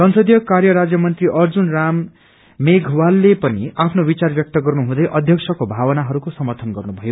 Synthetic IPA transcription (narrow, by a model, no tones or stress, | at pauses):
sʌnsʌd̪jʌkarjʌɾad͡zjʌmʌnt̪riʔʌrd͡zunramː | eɡʱwalːepʌniapʰnobit͡sarbjʌk̚t̪ʌɡʌrnuɦũd̪ʌjʔʌd̪ʱjʌksʰʌkobʱawʌnaɦʌɾukosʌmʌrt̪ʰʌnɡʌrnubʱʌjo